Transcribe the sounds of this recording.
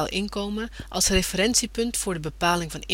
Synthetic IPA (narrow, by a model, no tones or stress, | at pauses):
lˠʔɪnkowmənʔɑ̰lˠsrefəɾɛnsipɵntfʊːɹdəbəpaːlɪŋvɑn